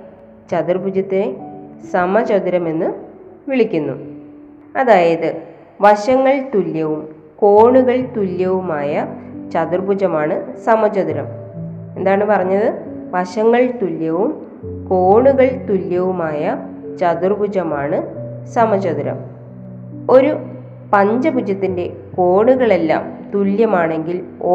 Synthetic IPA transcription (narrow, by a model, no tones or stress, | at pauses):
t͡ɕɐd̪urbʱud͡ʑɐt̪ːeesɐmɐt͡ɕod̪iɾɐme̞nːɨʋiɭikʲːunːṵ | ɐðaːjɐðɨ | ʋɐɕɐŋːɐɭt̪uljɐʋum | ko̞ːɳuɣɐɭt̪uljɐʋumaːjɐt͡ɕɐðurbʱud͡ʑɐmaːɳɨsɐmɐt͡ɕɐðiɾɐ̰m | e̞nd̪aːɳɨpɐrɐɲːɐðɨ | ʋɐɕɐŋːɐɭt̪uljɐʋum | ko̞ːɳuɣɐɭt̪uljɐʋumaːjɐ | t͡ɕɐðurbud͡ʑɐmaːɳɨsɐmɐd͡ʑɐðiɾɐ̰m | o̞ɾu | pɐɲd͡ʑɐpud͡ʑɐt̪ːinde̞ | ko̞ːɳuɣɐɭe̞lːa̰ːmt̪uljɐmaːɳe̞ŋɡilo